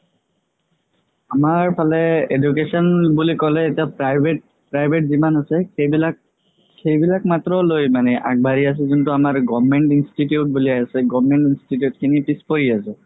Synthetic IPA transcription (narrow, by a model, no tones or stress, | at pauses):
amaɹpʰalɛedukesɔnbulikɔlɛetiapɹajbet̚ | pɹajbʱeʈ̚zimanasɛebilak̚ | xejbilak̚matɹɔlojmanɛʔa̰k̚baɹias̬ɛzuntuamaɹɡɔbmɛɳtinstitjut̚buliajasɛɡɔbmɛɳtinstitjut̚kʰinipispoɹiasɛ